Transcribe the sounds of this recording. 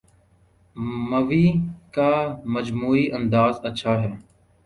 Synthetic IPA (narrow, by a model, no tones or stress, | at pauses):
məʋiːkaːməd͡ʒmuːiːʔənd̪aːzətːʃʰaːɦɛː